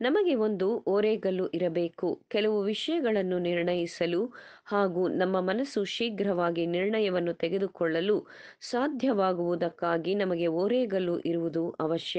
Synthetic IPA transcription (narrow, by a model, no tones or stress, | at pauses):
nɐmɐɡe̞o̞nd̪uʔoːɾɛːɡɐlːuʔiɾɐbeːkukɛlɐʋuʋiʂɐjɐɡɐɭɐnːuniɾɳɐjisɐluhaːɡunɐmːɐmɐnɐsuʃiːɡɾɐʋaːɡiniɾɳɐjɐʋɐnːut̪ɛɡe̞d̪ukɔɭːɐlu | saːd̪ʱjɐʋaːɡuʋud̪ɐkːaːɡinɐmɐɡe̞oːɾɛːɡɐluʔiɾuʋud̪uʔɐʋɐʃjɐ